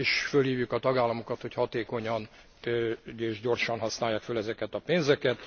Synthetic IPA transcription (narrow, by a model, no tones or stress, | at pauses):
eːʃfølhiːvjukɒt̪ɒɡaːlːɒmokɒt̪ho̞chɒt̪eːko̞ɲɒn | eːʒɟo̞rʃɒnɦɒsnaːjːaːkfølɛzɛkɛt̪ɒpeːnzɛkɛt̪